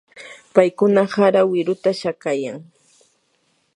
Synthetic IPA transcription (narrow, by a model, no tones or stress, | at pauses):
pajkʊnahaɾawɪɾʊt̪aʃakajaŋ